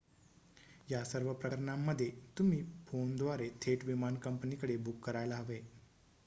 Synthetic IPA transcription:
jasəɾʋəpɾəɾɳamːəd̪ʱːjet̪um̤iːfond̪ʋaɾet̪ʰeʈʋimankəmpənikəɽebukːəɾajlaɦəʋe

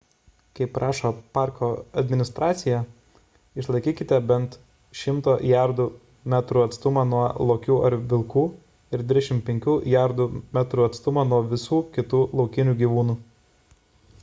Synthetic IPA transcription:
kɐɪpːɾʔɑːʃoːpɑˑɾkoːɐd̪ʲmʲɪnʲɪst̪ɾɑːt̪sʲɪjæ | ɪʃlˠɐɪkʲiːkʲɪt̪ʲɛbʲɛnt̪ | ʃʲɪmt̪oːʔjæɾd̪uː | mʲæt̪ɾuːɐt̪st̪ʊmɐnuɔlˠoːkʲuːʔɐɾʋʲɪlˠkuː | ɪɾd̪ʲɪd̪ʲɛʃʲɪmpʲɛŋʲkʲuːʔjæɾd̪uːmʲæːt̪ɾuːɐt̪st̪ʊmɐːnuɔʋʲɪsuːkʲɪt̪uːlˠɒʊkʲɪnʲuːɡʲiːʋuːnuː

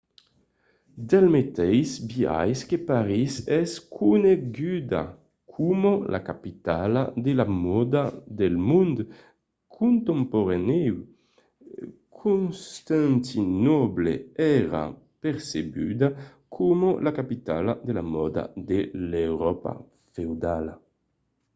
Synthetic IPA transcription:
d̪ɛlmet̪ɛjsbia̰jskepaɾisɛskʰuneɡyd̪a̰ | kʰumolʔa̰kapit̪alad̪elamɔd̪ad̪elmund̪ | kʰunt̪empoɾanew | kʰunst̪ant̪inɔbleɛɾa̰ | peɾseby̰d̪a | kʰumolakapit̪a̰lad̪elamɔd̪a̰d̪elewɾɔpa̰ | fewd̪ala̰

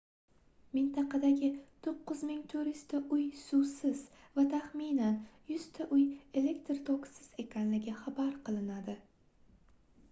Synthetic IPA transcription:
mɪnt̪ʰɑqʰɑd̪aɡʲɪt̪ʰoqːɨzmɪŋt̪ʰʊɾɪst̪ʰaʔʊjsʊwsɪz̥ | vat̪ʰaχminanjʊz̥t̪ʰaʔʊje̞le̞kt̪ɾt̪ʰoksɪz̥e̞kʲʰanlɪɡʲɪχabaɾqʰɨlˠɪnad̪ɪ

